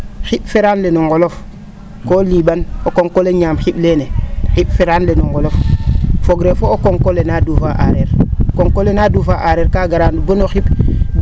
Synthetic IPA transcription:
xiɓfeɾaːnlenuŋɡolof | koliːbanokoŋkoleɲaːmxiɓlenexiɓfeɾaːnlenuŋɡoloffoɡɾefoːkoŋkolenadufaʔa̰ɾeɾkoŋkolenadufaʔaɾeːɾkaːɡaɾanbonoxiɓ

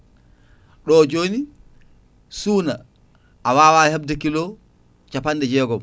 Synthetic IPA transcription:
ɗɔːd͡ʒoːni | suːna | ʔawaːwahab̚dakilɔ | t͡ʃapandɛd͡ʒɛːɡɔm

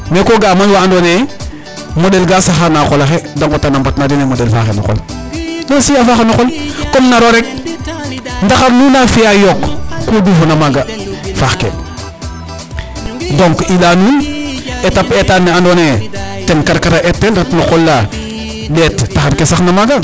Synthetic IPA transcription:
mekoɡamanwaandone | modelɡasaxanakolaxedaŋkotanambatnadinemodelfa̰xeno̰xo̰l | losijafaxenoxolkomnaɾoɾek̚ | ndaxaɾnunafijajokːodufunamaɡafaxkḛ | doŋkilanunetapetanːeandonetenkaɾkaɾaʔetːelɾatnoxolːa | letːaxaɾkesaxnamaɡa

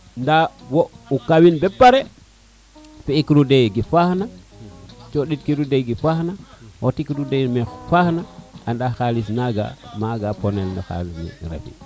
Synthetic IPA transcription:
ndawoukawinbepːaɾe | feikɾudejɡifahna | t͡ʃoɗitkiɾudeɡifahnawotikɾudemefahnaandaxalisnaɡa̰maɡaponelnɔxa̰lismḭɾḛfḭ

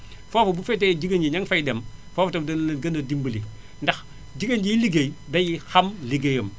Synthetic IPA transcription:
fofɐbufɛted͡ʒiɡɐnd͡ʒiɲɐŋfɐjdɐmfoːfɐtɐmdɐɡɐndɐdimbəli | ndɐx | d͡ʒiɡənd͡ʒijiliɡejdɐjixɐmliɡejəm

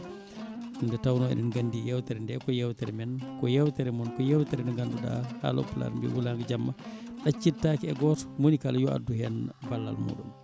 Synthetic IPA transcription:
ndɛtawnɔɛ̰ɗɛnɡanːdijɛwtɛɾɛndɛkɔjɛwtɛɾɛmɛnkɔjɛwtɛɾɛmɔnkɔjɛwtɛɾɛnɛɡanduɗa̰ha̰ːlɔ̰pla̰ɾmbḭwulaŋɡad͡ʒamːaɗat͡ʃːitːakɛɛɡɔːtɔ̥monikaljɔa̰dːuhɛnbalːa̰lmṵɗum

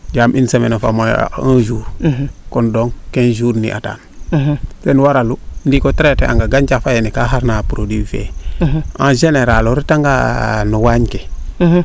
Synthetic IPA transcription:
d͡ʒaːmʔinsamenofa̰ma̰ãːd͡ʒuːɾkɔndɔŋkend͡ʒuːɾnḭʔa̰ta̰ːn | senwaɾalundikɔtɾetea̰ŋɡaɡanɟafajenikaɦaɾnapuɾodiːfḛ | ã̰ʒeneɾaloɾitaŋɡa̰nuwaɲke

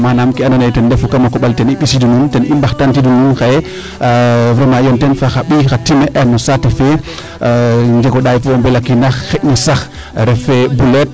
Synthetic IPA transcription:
manamkianɔnajtɛndefukamakɔɓaltɛniɓisidununtɛnimbaxtantidununxajɛ | fɾɛmajɔntɛnfaxaɓixatːimɛʔɛnɔsatefɛ | ɲd͡ʒeɡɔɗajfɔɔmbɛlakinaxxeʔnɔsax | ɾɛfɛbulɛt̚

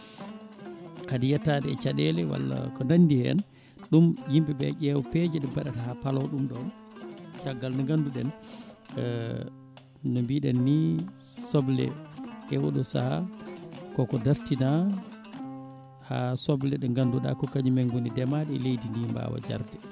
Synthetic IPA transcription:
kadijɛtːadɛt͡ʃaɗɛlɛwa̰lːa̰kɔnandihɛ̰n | ɗumjimbɛbɛ̰ʔɛwɔped͡ʒɛɗɛbaɗatahapalɔwɗumɗɔn | t͡ʃaɡːalnaŋɡanduɗɛn | nɔmbiɗɛnːisɔblɛ̰ʔɛwɔ̰ɗɔsa̰a | kɔkɔdaɾtina | hasɔblɛɗɛŋɡanduɗa̰kɔkaɲimɛŋɡonidɛmaɗɛlejdindimba̰wa̰d͡ʒa̰ɾdɛ

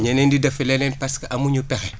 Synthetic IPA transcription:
ɲɛnɛndidɐfɛlɛnɛnpɐskɐʔɐmuɲupɛxɛ

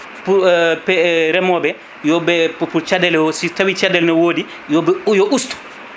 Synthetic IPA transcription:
pupɛɾɛmɔbɛ | jɔbɛpuɾt͡ʃadɛlɔsitawit͡ʃadɛlnɔwoːdi | jɔbɛjɔʔustu̥

